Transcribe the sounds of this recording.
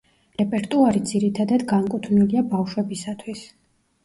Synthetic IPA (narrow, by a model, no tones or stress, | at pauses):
ɾɛpʼɛɾt̪ʼuaɾid̪ziɾit̪ʰad̪ad̪ɡaŋkʼut̪ʰvniliabafʃwɛbisat̪ʰwis